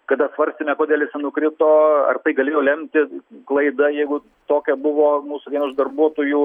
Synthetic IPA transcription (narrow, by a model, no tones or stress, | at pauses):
kɐd̪ɐsʋɐɾʲsʲt̪ʲemʲɛkoːd̪ʲeːlʲˠɪsʲɐnʊkɾʲɪt̪oːɐ̰rt̪ɐɪɡɐlʲeːjoːlʲɛmʲt̪ʲɪklˠɐɪd̪ɐjɛɪɡʊ | t̪oːkʲɛbʊʋoːmuːsʊdʲiɛnɐʊʒd̪ɐrbuɔt̪oːju